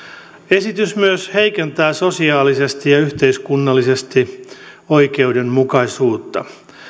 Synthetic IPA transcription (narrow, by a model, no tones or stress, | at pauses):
e̞sit̪ysmyøsheikent̪æːsosiɑːlisest̪ijɑyht̪eiskunːɑlːisest̪i | o̞ike̞udemmukɑisuːt̪ːɑ̰